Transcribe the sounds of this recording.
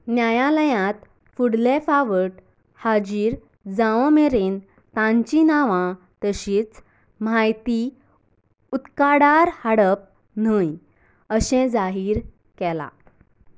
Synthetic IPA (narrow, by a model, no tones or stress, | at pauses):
njajãləjãt̪ | fuɽlefaʋəʈ | had͡ʑiːɾ | d͡zaʋɔmeɾen | t̪ãɲt͡ɕinaʋã | t̪əɕiːt͡s | majt̪i | ut̪kaɽaɾhaɽəp̚ | n̤əj | əɕɛ̃d͡zaɦiːɾ | kɛla̰